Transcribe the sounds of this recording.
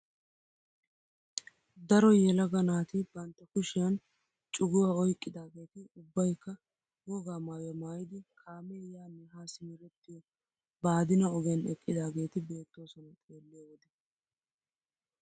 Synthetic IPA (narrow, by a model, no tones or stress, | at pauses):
d̪ɐɾɔjɛlɐɡɐnaːt̪ɪbɐnt̪ːɐkʊʃɪjɐn | t͡ʃʼʊɡʊwaːɔjkʼːɪd̪aːɡe̞ːt̪ɪʊbːɐjkːɐ | wɔɡaːmaːjɔmaːjɪd̪ɪkʰaːmɛjaːmɪɦaːsɪmɪɾɛt̪ːɪ | baːd̪ɪnɐɔɡɛnɛkʼːɪd̪aːɡe̞ːt̪ɪbe̞ːt̪ːo̞ːsɔnɐt̪ʼeːlːɪjowɔd̪ɛ